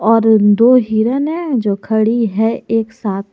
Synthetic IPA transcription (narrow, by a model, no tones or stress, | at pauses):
ɔːɾd̪oːɦiːɾənɦɛ̃d͡ʒoːkʰɐɽiɦɛeːksaːt̪̚ʰ